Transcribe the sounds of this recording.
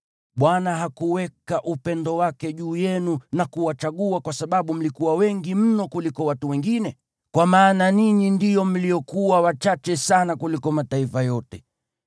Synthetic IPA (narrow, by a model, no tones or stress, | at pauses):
ɓwanaɦakuwɛkaʔupɛndɔwakɛʄuːjɛnunakuwat͡ʃaɠuakwasaɓaɓum̩likuwawɛŋɡim̩nɔkulikɔwatuwɛŋɡinɛ | kwamaːnaniɲindijɔm̩lijɔkuwawat͡ʃat͡ʃɛsanakulikɔmataifajɔtɛ